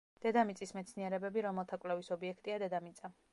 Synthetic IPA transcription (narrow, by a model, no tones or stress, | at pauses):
d̪̥ɛd̪amit̪sʼismɛt̪sʰniɛɾɛbɛbiɾɔmɛlˠt̪ʰakʼlɛvisɔbiɛkʰt̪ʼiad̪ɛd̪amit̪sʼa